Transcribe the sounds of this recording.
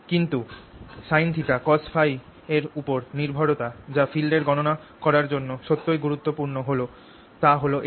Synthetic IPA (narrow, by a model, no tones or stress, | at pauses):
kint̪uʃajnt̪ʰik̪akɔsfʰaj | eɾupoɾniɾbʱɔɾot̪ad͡ʑafilɖeɾɡɔnona | kɔɾaɾd͡ʑonːoʃot̪ːojɡuɾut̪ːopuɾnoɦolo | t̪aɦoloʔ